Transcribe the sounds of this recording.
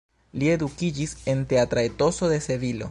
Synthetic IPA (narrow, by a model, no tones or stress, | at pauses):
lie̞dukid͡ʒise̞nte̞atɾaeto̞so̞de̞se̞vilo̞̰